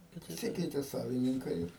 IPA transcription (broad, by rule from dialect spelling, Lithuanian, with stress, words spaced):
pɐˈsʲɪkʲɛɪtʲɛ ˈsɑːʋʲɪnʲɪŋkɐɪ ɪr